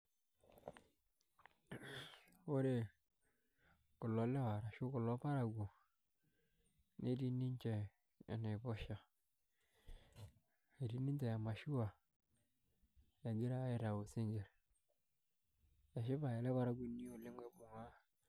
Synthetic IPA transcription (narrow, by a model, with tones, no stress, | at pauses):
o˦ɾe˦ | kʊ˨lɔ˨le˦wa˨ɾa˨ʃu˦kʊ˨lo˦pa˦ɾa˨ɡu˨ | ne˦di˦ni˦nt͡ʃe˨ | a̰˨ne˨bɔ˦ʃa˨ | e˨ɾi˦ni˦te˨ja˨ma˨ʃi˦wa˨ | ja˨ɡi˦ɾa˦e˦ta˨wu˨si˦ŋɡe˨ɾ | ja˨ʃɪ˦pa˨je˨le˦pa˦ɾa˦ɡu˨ni˦o˨le˦ŋwe˦bʊ˨ŋa˦